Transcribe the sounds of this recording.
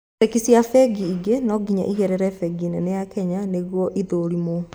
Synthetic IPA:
tekisiafɛɡiːɡenɔɡiɲa̰ʔiɣɛɾɛɾɛfɛɡinenejakɛɲaneɣwɔʔiðoɾimo

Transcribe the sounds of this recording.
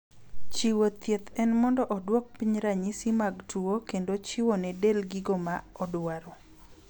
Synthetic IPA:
t͡ʃiwot̪jet̪ɛnmɔndɔʔɔdwɔk̚piɲɾaɲisimaɡtuokendot͡ʃiwɔnɛdelɡiɡomaɔdwaɾɔ

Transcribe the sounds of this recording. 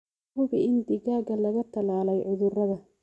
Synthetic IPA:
hʊβɪɪnd̪ɪɣaːɣɐlɐɣɐt̪ʰɐlaːlɛjʕʊðʊrɐðɐ

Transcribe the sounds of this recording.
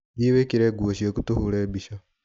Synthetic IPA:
jiβekiɾeːɡuoʃiekutuhuleːbiʃa

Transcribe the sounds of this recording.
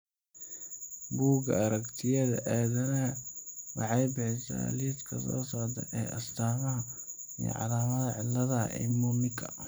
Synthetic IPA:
buːɡɐɐɾɐkt̪ʰɪjɐðɐʔaːðɐnɐwɑħɑjbɪħɪsa̰lid̪kʰɐsɔ̰ːsaːʕt̪ʰɛ̰ʔɛːʔɐst̪ʰaːmɐɦɐ | ij̰ʕɑ̰laːmɐðɐʕɪlːɐðɐ̰ʔɛ̰mumɪkʰɐ

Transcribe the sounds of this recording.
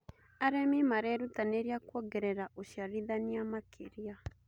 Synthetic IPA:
aɾɛmimaɾɛɾutaneɾiakwɔɡɛɾɛɾaʔoʃjaɾiðaniamakʰeɾia

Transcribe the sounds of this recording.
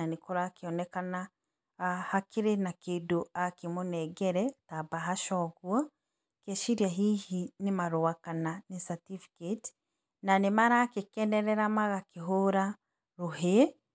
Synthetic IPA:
anikɔɾakiɔnɛkana | hakiɾenakeduakimunɛɡɛɾɛtabaɦaʃɔɣwa | keʃiɾjaɦihinimaɾowakananisatifi̥ket | nanimaɾakikɛnɛɾɛɾamaɣakiɦoɾa | ɾuhe

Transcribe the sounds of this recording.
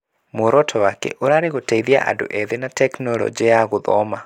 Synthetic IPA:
moɾɔtʰɔwakɛ̰ʔoɾaɾeɣotaiðia̰ʔa̰ndo̰ʔɛðenatɛknɔlɔ̰d͡ʒiajaɣoðɔ̰ma

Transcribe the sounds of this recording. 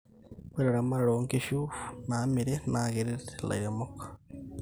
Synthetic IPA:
kweɾeɾamaɾɾoŋkiʃunaːmiɾenaːɣeɾela̰jamokḁ

